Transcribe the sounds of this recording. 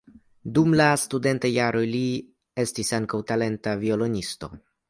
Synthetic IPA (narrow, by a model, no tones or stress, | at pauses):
dumlastude̞ntajaɾo̞jli | e̞stisaŋkawtale̞ntavio̞lo̞nisto̞̰